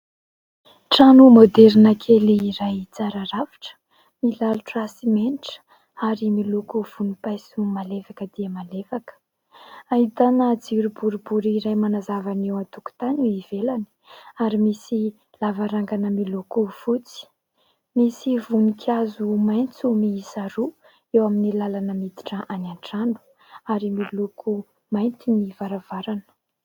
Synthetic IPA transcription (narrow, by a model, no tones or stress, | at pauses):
ʈ͡ʂanumod̪eɾinakʰeliːɾajt͡saɾaɾavi̥ʈ͡ʂə̥ | milaluʈ͡ʂasimeniʈ͡ʂə̥ | aɾimilukuv̥unipajsumalevakəd̪̥iəmalefakə̥ | aɦit̪anəd͡ziɾubuɾubuɾiɾajmanazavanewat̪uku̥t̪anuiv̥elani̥aɾimisi | lavaɾaŋɡanəmilukuv̥ut͡si̥ | misivunikʰazumajnt͡sumiːsaɾu | ewaminilalanəmid̪i̥ʈ͡ʂəʔanaɳʈ͡ʂanu̥ | aɾimilukʰu | majnt̪inivaɾavaɾanə̥